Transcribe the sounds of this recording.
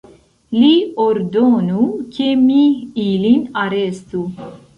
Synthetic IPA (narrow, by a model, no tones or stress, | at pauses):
lioɾd̪onukemiilinaɾest̪u